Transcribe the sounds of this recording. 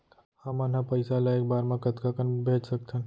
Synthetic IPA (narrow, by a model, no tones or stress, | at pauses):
hɐmɐnɦãpɐɪsalaeːk̚baːɾmẽkɐt̪kakənbʱeːt͡ʃsɐk̚t̪ẽn